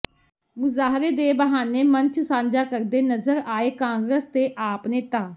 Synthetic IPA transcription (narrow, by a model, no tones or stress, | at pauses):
mʊzaːɦɾeːd̪eːbəɦaːneːmənt͡ʃsãːɲd͡ʒaːkəɾd̪eːnəzəɾaːeːkãːŋɡɾəst̪eːʔaːpneːt̪aː